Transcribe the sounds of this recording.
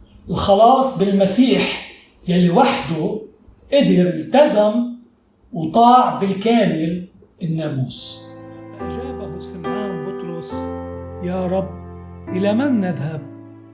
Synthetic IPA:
ʔɪlxɑlɑːsˤbɪlmasiːħ | jalːiwaħd̪u | ʔɪd̪ɪɾɪlt̪azam | wt̪ˤɑːʕbɪlkaːmɪl | ʔɪnːaːmuːsaʔaʒaːbahusɪlːaːnbʊt̪ɾʊsjaːɾˤɑbːʔɪlamanːaðhab̚

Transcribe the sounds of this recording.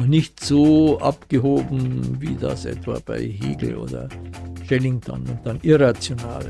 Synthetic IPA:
χnɪçtz̥oːʔapɡ̥əɦoːbm̩vḭːda̰sʔɛ̰tv̥a̰ːb̥aɪɦḭːɡl̩ʔo̰ːdɐ̰ʃɛlɪŋtʰa̰nʊnt̚d̥anʔɪʁat͡sjona̰ːl

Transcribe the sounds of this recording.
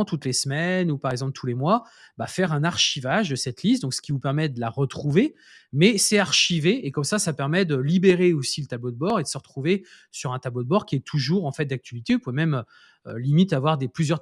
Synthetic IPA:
t̪ut̪lesmɛnupaʁɛɡzɑ̃plt̪ʰulemwa | bafɛʁɛ̃naʁʃivaʒd̪əsɛt̪list̪̚d̪ɔ̃ksə̥kʲivupɛʁmɛd̪əlaʁət̪χuve | mɛsɛaʁʃiveːkɔmsasapɛʁmɛd̪əlibeʁeosilət̪ablod̪əbɔʁed̪əsəʁət̪χuve | syʁɛ̃t̪ablod̪əbɔʁkʲiɛt̪ʰuʒuʁɑ̃fɛt̪̚d̪ak̚t̪ɥalit̪eupuvemɛmø | ølimit̪avwaʁd̪eplyzjœʁ

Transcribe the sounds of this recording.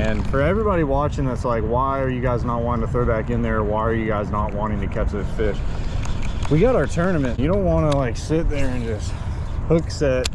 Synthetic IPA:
ɨ̃nfə˞ɛvɹibɑɾiwɑt͡ʃɪ̃ŋðætslaɪkwaɪə˞jɨɡaɪznət̚wɑ̃ɾɪ̃ŋtʰɨθɹoʊbækɨ̃nðə˞ːwaɪə˞jɨɡaɪznət̚wɑ̃ɾ̃ɪ̃ŋtɨkʰɛt͡ʃðɪz̥fɪʃ | wiɡɑɾəə˞tʰɜ̃˞nɨmɨ̃njɨɾõʊ̃nt̚ʔwɑ̃nəlaɪksɪt̪̚ðə˞ɨ̃nd͡ʒʌst̚ | hʊksɛt̚

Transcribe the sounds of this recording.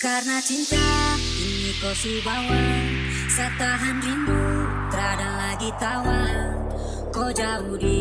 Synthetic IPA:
karnat͡ʃint̪a | inikɔsibawal | sat̪aɦanrimbu | t̪əɾadalaɡit̪awal | kɔd͡ʒabudi

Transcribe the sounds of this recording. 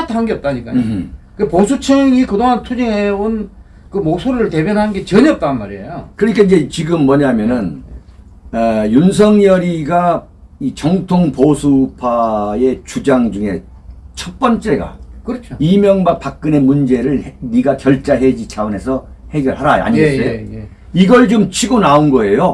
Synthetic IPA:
atʰaɦɯnŋɡeʌp̚t͈aɲik͈aɲikɯeposʰut͡ɕʰeŋikɯdoŋɦantʰud͡ʑiŋeon | kɯmosʰuɾɯɭte̞bjʌnɦanɯnɡe̞t͡ɕʌɲʌp̚t͈anmaɾiejokɯɾʌɲikʰaind͡ʑe̞t͡ɕiɡɯmːʌɲaɦmjʌnɯn | juns̬ʰʌŋjʌɾiɡa | it͡ɕʌŋtʰoŋposʰupʰae̞t͡ɕud͡ʑaŋd͡ʑuŋe̞ | t͡ɕʰʌt̚p͈ʌnt͡ɕ͈e̞ɡa̰kɯɾʌt͡ɕʰoimjʌŋbapak̚k͈ɯne̞mund͡ʑe̞ɾɯɭniɡakjʌɭt͡ɕ͈aɦe̞d͡ʑit͡ɕʰaone̞sʰʌ | he̞ɡjʌɭɦaɾaa̰ɲieso | iɡʌɭt͡ɕomt͡ɕʰiɡonaunɡʌe̞jo

